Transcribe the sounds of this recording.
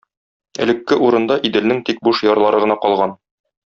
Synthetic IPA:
ɘ̆lɘ̆kːɘʔuɾɤ̆nd̪ɑʔid̪ɘ̆lnɘŋt̪ik̚buʃjɒɾlˠɑɾɤʁɤ̆nɑqɒlˠʁɑn

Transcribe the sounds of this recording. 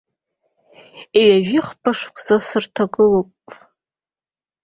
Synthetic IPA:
iɥaʒᶣɪχpʰaʂkʷʰʼzasɨrtʰaɡɨlopʼ

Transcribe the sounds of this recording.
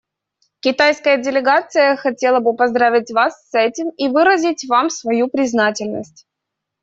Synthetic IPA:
kʲɪt̪ajskəjədʲɪlʲɪɡat̪sɨjəxɐtʲe̞lˠəbɨpɐzd̪ɾavʲɪtʲvasːɛtʲɪmivɨɾəzʲɪtʲvamsvɐjupɾʲɪznatʲɪlʲnə̰sʲtʲ

